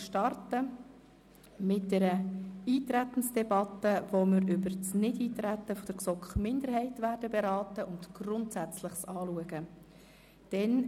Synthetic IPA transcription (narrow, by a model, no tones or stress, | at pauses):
ʃtɑrtə | mɪt̚d̥ɛɾəiːt̪ɾæt̪ən̩sd̥ɛbɑtːəʋomɪɾʏbəɾsnɪdiːtɾæt̪ːəfɔd̥əɾksɔkχmɪnd̪əɾhɛɪtʋæːɾdəbeɾɑːtəʔʊntɡ̥rʊntsæt͡sləχsɑːluəɡ̥ə | d̥ɛn